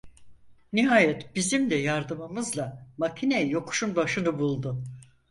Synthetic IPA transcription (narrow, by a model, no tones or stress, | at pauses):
niɦaːjɛt̪b̥izimd̪ɛjaɾd̪ɯmɯmɯzlˠamacʰinɛjo̞kʰu̥ʃunbaʃɯnɯbulˠd̪ʊ